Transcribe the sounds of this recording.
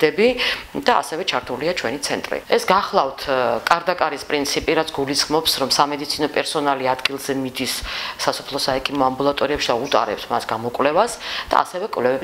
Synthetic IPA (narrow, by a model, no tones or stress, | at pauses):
ɛbid̪aa̰sɛvɛt͡ʃʰaɾt̪ʰuliat͡ʃʰwɛnit̪sʰɛnt̪ʼɾḭɛsɡaχlˠaft̪ʰkʼaɾd̪akʼaɾispʼɾint̪sʰipʼiɾat̪sʰɡulisχmɔpsɾɔmsamɛd̪it̪sʰinɔpʼɛɾsɔnaliad̪ɡilˠzɛmid̪isːasɔ̥pʰlˠɔsaɛkʰʼimɔambulˠat̪ʼɔɾiɛpʃid̪aut̪ʼa̰ɾɛpt̪ʰmasɡamɔkʼwlɛvasd̪̥a̰a̰sɛvɛkʼwvlɛvɛ